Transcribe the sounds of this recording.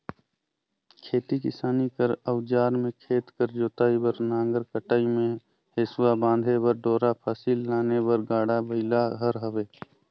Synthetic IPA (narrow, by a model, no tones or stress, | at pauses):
kʰeːt̪ikɪ̰saːnikəɾəʊd͡ʒaːɾmẽkʰeːt̪kəɾd͡ʒoːt̪aːibəɾnãːŋɡəɾkəʈaːimẽ | heːswabãːnd̪ʱebəɾɖoːɾapʰasiːlːaːnebəɾɡaːɽabəɪlaɦəɾɦəweː